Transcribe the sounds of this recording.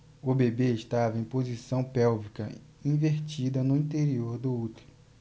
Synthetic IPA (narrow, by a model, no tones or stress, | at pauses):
ʊbebeeʃt̪avɐẽj̃pozisɐ̃w̃pɛwvikɐ | ĩveɾt͡ʃid̪ɐnʊĩt̪eɾioɾd̪ʊut̪e̥l